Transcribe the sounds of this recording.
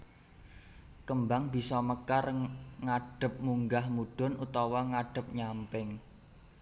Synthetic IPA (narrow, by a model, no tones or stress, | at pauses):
kəmbaŋb̥i̤sɔməkarŋaɖ̥ə̤p̚muŋɡahmuɖ̥ɔ̤nut̪ɔwɔŋaɖ̥ə̤p̚ɲampɪŋ